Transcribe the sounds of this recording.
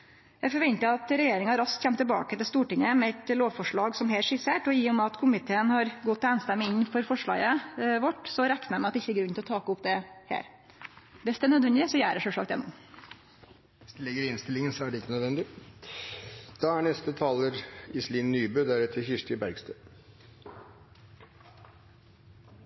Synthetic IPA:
jæɪfɔɾʋɛnt̪əɑt̪ɾɛjeːɾɪŋɑɾɑsk̪çɛmt̪ʰːɪlbɑ̰ːkət̪ɪlst̪uːʈɪŋəmɛɛt̪loːʋfɔʂɭɑːɡsɔmheːlʂɪseːʈɔjiːʊmɛɑt̪kʰʊmɪt̪ʰeːənhɑɾɡɔt̪ːæːnst̪ɛmːəɪnːfɔɾfɔʂɭɑ̰ːɡəʋɔʈːsɔɾæknəɾmɛɑt̪ːɛɪçːəæɡɾʉnt̪ɪlɔt̪ʰɑːkʊpd̪ɛhḛːɾ | bɛst̪ɛnœd̪ʋɛnd̪ɪsɔjæːɾəʂœʂɭɑ̰ːd̪ɛ̰nːʊm | ʋɪsd̪̥ɛlɪɡəɾɪnst̪ɪlɪŋənsɔæɖɛɪkːənœd̪ʋɛnd̪ɪ | d̪̥ɑːæɳɛst̪ət̪ʰɑːləɾɪsliːnnyːbøːd̪æɾɛt̪ʰːəçɪʂʈɪbæɾɡst̪ʰə

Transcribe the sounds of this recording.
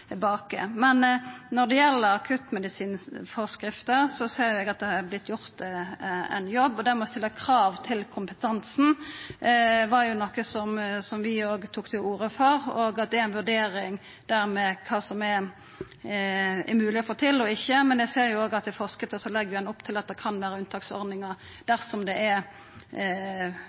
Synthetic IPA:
bɑːkə̰mɛnnɔʁd̪ɛjɛlːəɾɑkʰʉt̪mɛd̪ɪsiːnfɔʁskɾɪft̪əɾsɔseːɾjʊɛɡɑt̪̚d̪ɛhɑɛblɪt̪ʰːjʊɾt̪ | ɛ̰njɔbːɔd̪æɾmɛɔst̪ɪlːəkʰɾɑːʋt̪ʰɪlkʰʊmpət̪ʰɑnsn̩ | ʋɑɾjʊnɔkːəsɔmsɔmʋɪoːɡt̪ʰuːkt̪ʰɪluːɾəfɔʁoːɡɑt̪̚d̪ɛææɪnʋʉɖ̪eːɾɪŋ | d̪æɾmɛkʰɑːsɔmɛ | ɛ̰mʉːlɪɔfoːt̪ʰɪlːɔɪçːəmɛnjɛɡseːɾjʊoːɡɑt̪̚d̪ɛfɔʁskət̪ɔsɔlɛɡːəʋɪɛnʊpːt̪ʰɪlɑt̪̚d̪ɛkʰɑnʋæːɾəʉnt̪ʰɑːksɔ̰ɾd̪nɪŋəɾ | d̪̥æʁsɔmd̪ɛʔɛ

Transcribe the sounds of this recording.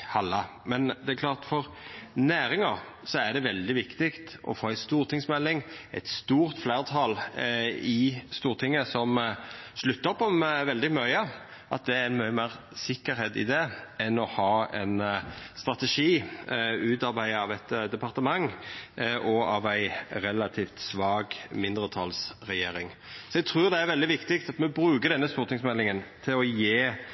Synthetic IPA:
hɑlːɑ | mɛnd̪ɛækʰlɑːʁt̪fɔʁnæːɾɪŋɑ | sɔæɖ̪ɛʋɛld̪ɪʋɪkt̪ɪkt̪ʔɔ̰foːæɪst̪uːɾt̪ʰɪŋsmɛlːɪŋæ̰ɪt̪st̪uːʁt̪flæːʁt̪ʰɑl | ɪst̪uːɾt̪ʰɪŋːəsɔmʃlʉt̪ːəɾɔpːɔmʋɛld̪ɪmœʏɑ | ʔɑt̪̚d̪ɛæænmœʏmæːʁ | sɪkːəɾheːt̪ɪ̰d̪ɛɛnɔhɑːɛ̰nst̪ʁɑt̪əʂiː | ʉːt̪ɑɾbæɪəɑʋæt̪d̪ɛpʰɑʁt̪əmɑŋ | ʔɔɑʋæɪɾɛlɑt̪ʰiːft̪sʋɑːɡmɪnd̪ɾət̪ʰɑlsɾɛjeːɾɪŋ | sɔɛɡ̚t̪ʰɾʉːʁd̪ɛæɾʋɛld̪ɪʋɪkt̪ɪkt̪ɑt̪mɛbɾʉːɡəd̪ɛnːəst̪uːɾt̪ɪŋsmɛlːɪŋənt̪ʰɪlɔjeː

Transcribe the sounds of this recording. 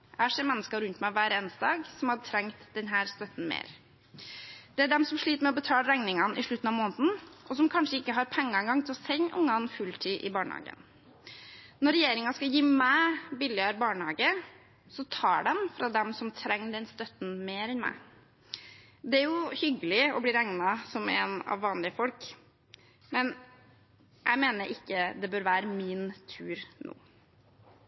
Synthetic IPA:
æʂɛːɾmɛnːəskɑɾʉnt̪mæɪʋæːɾeːnsd̪ɑːɡsɔmhɑʈʰɾɛŋt̪d̪ɛnɦæːɾst̪œt̪n̩mḛːɾ | d̪̥ɛæɖɛmsɔmʂɭiːt̪əmɛɔbət̪ʰɑːlɾæŋnɪŋɑnʔɪʂɭʉt̪ːn̩ɑʋmoːnət̪n̩ʔɔsɔmkʰɑnʂəɪkːəɦɑɾpʰɛŋːɑɛŋɡɑŋt̪ʰɪlɔsɛɲʔʊ̰ŋːɑnfʉlt̪ʰiːʔɪbɑːɳəhɑ̰ːɡə̰n | nɔɾɛjeːɾɪŋɑskɑjiːmæːbɪlɪɑɾbɑːɳəhɑːɡə | sɔt̪ʰɑːɖɛmfɾɑd̪ɛmsɔmt̪ʰɾɛŋːd̪ɛnst̪œt̪n̩meːɾɛnmæ̰ɪ | d̪ɛæɾjʊhʏɡəlɪɔbliːɾæŋnɑsɔmɛ̰nɑ̰ʋːɑːnlɪəfɔlk | mɛn | ʔæɪmeːnəɾʔɪkːəd̪ɛbøːɾʋæːɾəmiːnt̪ʰʉːɾnʔṵː

